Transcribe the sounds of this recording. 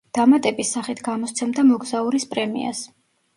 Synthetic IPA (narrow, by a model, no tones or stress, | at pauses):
d̪̥amat̪ʼɛbisːaχit̪ʰɡamɔst̪sʰɛmd̪amɔɡzauɾispʼɾɛmḭa̰s